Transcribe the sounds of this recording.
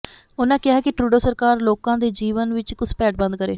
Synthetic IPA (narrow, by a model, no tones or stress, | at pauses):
ʊnãːkɪaɦɛːkɪʈɾuːɖoːsəɾkaːɾloːkãːd̪eːd͡ʒiːʋənʋɪt͡ʃkʊspɛːʈbə̃nd̪̚kəɾeː